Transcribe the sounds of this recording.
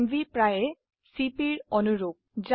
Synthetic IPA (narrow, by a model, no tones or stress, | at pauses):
mvipɹajɛ | sipiɹɔnuɹoɡ̚za